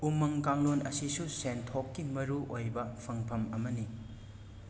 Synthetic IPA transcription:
umːɐŋkaŋlonɐsisusentʰokːimɐɾuʔojbɐpʰɐŋpʰɐmɐmɐni

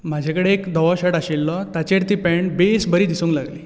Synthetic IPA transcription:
m̤ad͡ʑʱekəɽeːkd̪ɔʋɔɕəɽaɕilːɔt̪at͡ɕeɽt̪iːpɛɳbesbəɾiːd̪isũːŋklaɡli

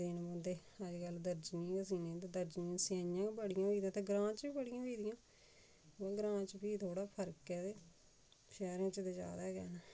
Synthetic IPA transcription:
d̪inbə̃nd̪eːəd͡ʒɡəld̪əɾd͡ʒnĩkəsiːnẽːt̪ẽːd̪əɾd͡ʒniãːsãjãːbəɽɪjãːbiːd̪ĩãːt̪ẽːɡɾãːt͡ʃbiːbəɽɪjãːbiːd̪ɪjãː | ãːɡɾãːt͡ʃbiːt̪ʰoːɽaːpʰəɾkɛːd̪eː | ʃɛːɾãːt͡ʃd̪eːd͡ʒja̰ːd̪aːɡɛ̰ːnɛː

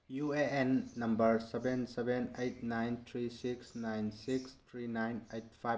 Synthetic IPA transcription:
jueenːɐmbəɾsebensebenejt̚najnt̪ʰɾisiksnajnsikst̪ʰɾinajnejt̚pʰaj

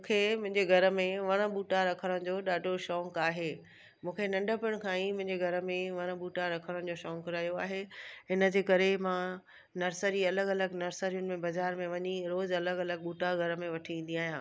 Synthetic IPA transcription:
mũːkʰemʊ̃ɦɪ̃ɲd͡ʑeɡʱɐɾə̆mẽʋɐɽ̃ə̆ɓuːʈaɾɐkʰəɽ̃ə̃ɽ̃d͡ʑoːɗaːɖʱoʃɔ̃ːŋkaːɦeː | mũːkʰenɐ̃ɳɖəpɪʊɽ̃kʰãimʊ̃ɦɪ̃ɲd͡ʑeɡʱɐɾə̆mẽʋɐɽ̃ə̆ɓuːʈaɾɐkʰəɽ̃ə̃d͡ʑoːʃɔ̃ːŋkɾaːijoaːɦeɦɪnə̆d͡ʑeːkɐɾemãː | nɐɾsəɾiɐləɡɐləɡnɐɾsəɾijʊnɪ̆mẽbɐzaːɾmẽʋɐɲiɾoːzɐləɡɐləɡ̚ɓuːʈaɡʱɐɾə̆mẽʋɐʈʰiĩːn̆d̪iaːɦijãː

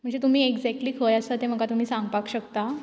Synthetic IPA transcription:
əɳd͡zet̪um̤iːeɡd͡zɛk̚ʈliːkʰəjəsat̪em̤əɡat̪um̤iːsãŋɡpakɕəkt̪a

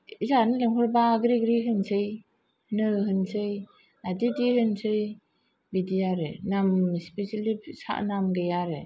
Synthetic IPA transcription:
izanɯleŋɦɔɾbaɡɾiɡɾiɦɯnsʰɯj | nɯɦɯnsɯj | nadidihɯnsɯj | bidijaɾɯnamspesilisa̰ʔnamɡɯjaɾɯ

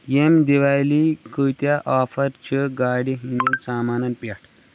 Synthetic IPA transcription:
jemd̪eʋajlikʰət̪jaʔafɐɾt͡ɕʰeɡaːɽiɦind̪ensaːmaːnɐnpaʈʰ

